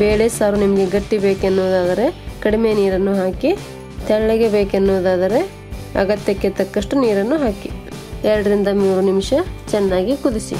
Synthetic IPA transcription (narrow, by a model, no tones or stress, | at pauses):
beːɭesaːɾunimɐɡe̞ɡɐʈːibeːkenːuʋd̪aːd̪ɐɾe̞kɐɽimeniːɾɐnːuɦaːki | t̪ʰɛɭɭɐɡebeːkenːuːd̪aːd̪ɐɾe̞ | ɐ̰ɡɐt̪jɐkːet̪ɐkːɐʂʈuniːɾɐnːuɦaːki | ɛɾɐɽɐɾind̪ɐmuːɾunimʂɐt͡ʃɛnːaːɡikud̪isḭ